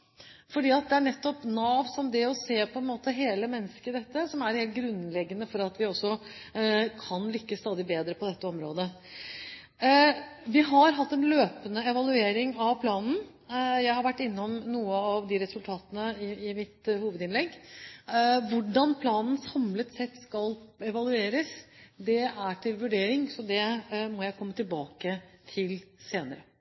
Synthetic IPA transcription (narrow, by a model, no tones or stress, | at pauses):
fɔɖiːɑt̪̚d̪ɛæɳɛt̪ːɔpnɑːʋsɔmd̪ɛɔseːpʰɔɛnmoːt̪əɦeːləmɛnːəskəd̪ɛt̪ːəsɔmæɾheːlt̪̚ɡɾʉnlɛɡːənəfɔɾɑt̪ʋɪɔsːɔ | kʰɑnlʏkːəst̪ɑːd̪ɪbeːd̪ɾəpʰɔd̪ɛt̪ːəɔmɾoːd̪ə | ʋɪɦɑɾɦɑt̪ːɛnløːpənəɛʋɑlʉeːɾɪŋɑʋpʰlɑːnn̩ | jæɪhɑɾʋæʈːɪnːɔmnuːəɑʋd̪ɪɾɛsʉlt̪ʰɑːt̪ənəɪɪmɪt̪huːʋəd̪ɪnlɛɡː | ʋʊɖɑnpʰlɑːnn̩sɑmlət̪sɛt̪ːskɑlɛʋɑlʉeːɾəsd̪ɛæʈʰɪlʋʉɖeːɾɪŋsɔd̪ɛmɔjæɪkʰɔmːət̪ɪlbɑːkət̪ʰɪlseːnəɾə